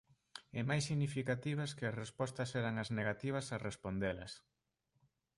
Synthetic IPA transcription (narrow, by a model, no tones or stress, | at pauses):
ɛmajsːiɣnifikat̪iβ̞ɐskɪɐsrespɔst̪ɐsɛɾɐŋɐzneɣat̪iβ̞ɐsarespond̪elɐ̰s